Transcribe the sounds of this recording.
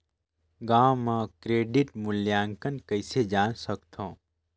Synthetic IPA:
ɡaːmãkɾeːɖɪʈmʊljaːŋkənkəɪsed͡ʒaːnsəkt̪ʰõː

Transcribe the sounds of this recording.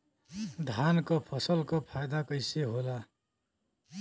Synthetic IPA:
d̪ʱankopʰʌsʌlkopʰajd̪akʌjseɦola

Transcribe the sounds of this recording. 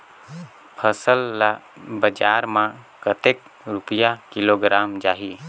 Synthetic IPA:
pʰəsəllabəd͡ʒaːɾmã | kət̪ek | ɾʊpəjakɪloːɡɾaːmd͡ʒaːɦi

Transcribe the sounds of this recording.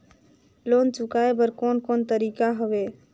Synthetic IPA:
loːnt͡ʃʊkaːebəɾkoːnkoːnt̪əɾiːkaɦəʋeː

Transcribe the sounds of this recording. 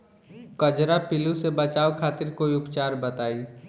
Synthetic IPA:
kəd͡ʒɾapɪlusebət͡ʃaːokʰaːt̪ɪɾkoːiʊpt͡ʃaːɾbət̪aːi

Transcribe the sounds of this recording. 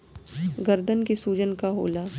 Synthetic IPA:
ɡəɾd̪ənkisuːd͡ʒənkaɦo̰ːla

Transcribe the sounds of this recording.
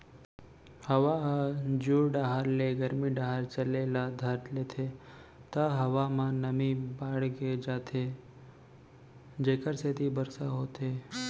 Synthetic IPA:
həʋaɦad͡ʒuːɖaɦəɾleɡəɾmiɖaɦəɾt͡ʃəleːlad̪ʱəɾt̪leːt̪ʰet̪aɦəʋamãnəmibaːɽɡed͡ʒaːt̪ʰe | d͡ʒeːkəɾset̪ibəɾsaɦoːt̪eː

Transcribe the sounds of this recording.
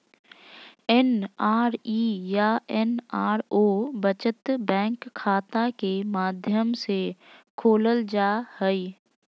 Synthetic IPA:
ɛnaːɾiːjaɛnaːɾoːbət͡ʃət̪bɛ̃ːŋkʰːaːt̪akemaːd̪ʱjəmsekʰoːləld͡ʒaːhɛiː

